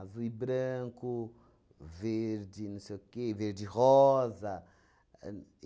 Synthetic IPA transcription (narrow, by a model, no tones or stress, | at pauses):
zuibɾɐ̃ŋku | veɾd͡ʒinɐ̃sejkeveɾdiʁɔzɐ